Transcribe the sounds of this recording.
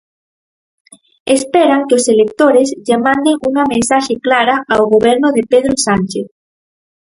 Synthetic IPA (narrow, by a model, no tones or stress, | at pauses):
espɛɾaŋkeoselek̚t̪oɾezʎamãnd̪eŋuŋamẽnsaʃeklaɾaawɣoβɛɾnoðepeðɾosanʲt͡ʃeθ